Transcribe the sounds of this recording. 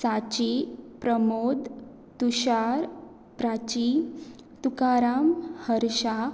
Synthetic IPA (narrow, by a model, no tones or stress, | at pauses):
sat͡ɕipɾəmod̪ | t̪uɕaɾ | pɾat͡ɕi | t̪ukaɾamhəɾɕa